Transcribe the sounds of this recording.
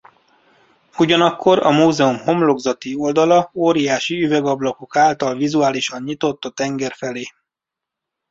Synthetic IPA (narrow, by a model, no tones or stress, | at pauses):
uɟɒnɒkʰːo̞ɾɒ̰muːzɛumho̞mlo̞ɡzɒt̪io̞ld̪ɒlɒoːɾijaːʃiyvɛɡɒblɒko̞kaːlt̪ɒlvizuaːliʃɒɲɲit̪o̞t̪ːɒt̪ɛŋɡɛrfɛleː